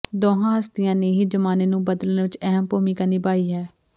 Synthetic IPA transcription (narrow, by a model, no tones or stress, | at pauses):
d̪oːɦãːɦəst̪ɪjãːneːɦiːd͡ʒəmaːneːnũːbəd̪əlnːʋɪt͡ʃɛɦəmpoːmiːkəniːbaːiːɦɛː